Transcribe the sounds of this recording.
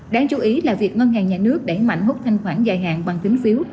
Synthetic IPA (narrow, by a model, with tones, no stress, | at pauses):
ɗaː˧ŋt͡ɕu˨˦ʔi˨˦laː˨˩vi˨˩ək̚ŋɔ˧nŋaː˨˩ɲaː˨˩nɨ˦˥ək̚ɗe˧˩ma̰˧˨jŋ̟hʊ˦˥k͡p̚t̪ʰa˧jŋ̟xwaː˧˩nzaː˨˩jɦa̰ː˧˨nɓa˨˩ŋt̪i˨˦ŋ̟fi˨˦w